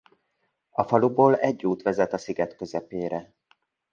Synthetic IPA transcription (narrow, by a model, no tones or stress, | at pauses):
ɒfɒluboːlɛɟːuːt̪ʋɛzɛt̪ɒsiɡɛt̪kø̞zɛpeːɾɛ